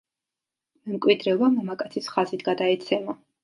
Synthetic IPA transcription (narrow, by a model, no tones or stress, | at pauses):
mɛmkʼwid̪ɾɛɔbamɔmakʼat̪sʰisχazit̪ʰɡad̪aɛt̪sʰɛma